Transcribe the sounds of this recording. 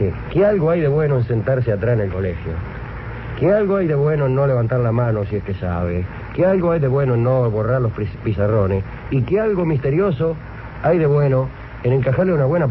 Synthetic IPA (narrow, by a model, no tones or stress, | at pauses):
kealɣoajðe̞βwe̞noense̞nt̪aɾs̬eat̪ɾasenelko̞lexjo̰ | kealɣoajðe̞βwe̞noenːo̞le̞βant̪aɾlamano̞sieskesa̰β̞e | kealɣoajðe̞βwe̞noenːo̞βo̞raɾlo̞spisaro̞nes | ikealɣo̞mist̪e̞ɾjo̞so | ajðe̞βweno | eneŋkaxaɾleunaβwe̞na